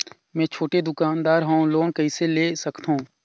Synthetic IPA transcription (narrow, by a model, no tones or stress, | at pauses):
mɛ̃ːt͡ʃʰoːʈed̪ʊkaːnd̪aːɾɦãũloːnkəiseleːsəkt̪ɦũː